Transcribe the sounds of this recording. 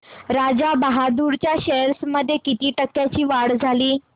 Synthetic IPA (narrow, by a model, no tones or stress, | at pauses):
ɾad͡ʑabaɦad̪uːɾt͡ɕjaɕeɾsməd̪ʱːjekit̪iːʈəkːjat͡ɕiːʋaɽd͡zʱaliː